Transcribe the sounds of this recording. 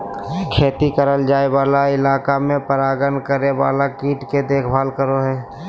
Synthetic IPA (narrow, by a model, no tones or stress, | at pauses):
kʰeːt̪ikəɾəld͡ʒaːewaːlaɪlaːkamẽpəɾaːɡənkəɾeʋa̰ːlakiːʈked̪eːkʰbʱaːlkəɾoɦɛː